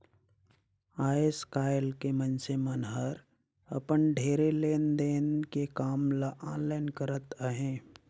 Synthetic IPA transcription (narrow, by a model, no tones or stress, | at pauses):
aːeskaːɪlkemənsemənɦəɾ | ə̰pənɖʱeːɾeleːnd̪eːnkekaːmlaʔaːnlaːɪnkəɾət̪əɦẽː